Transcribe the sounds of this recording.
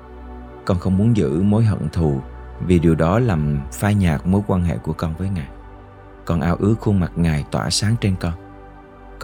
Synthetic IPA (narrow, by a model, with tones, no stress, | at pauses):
kɔ˧nxə˧wŋ͡mmu˨˦ənzɨ̰˧˥mo˨˦jɦə̰˧˨nt̪ʰu˨˩vi˨˩ɗi˨˩əwɗɔ˨˦laː˨˩mfaː˧jɲaː˨˩k̚mo˨˦jkwaː˧nɦḛ˧˨ku˧˩əkɔ˧nvəː˨˦jŋaː˨˩j | kɔ˧nʔaː˧wʔɨ˨˦əxu˧ma˨˩t̚ŋaː˨˩jt̪wa̰ː˧˩saː˨˦ŋt͡ɕe˧nkɔ˧n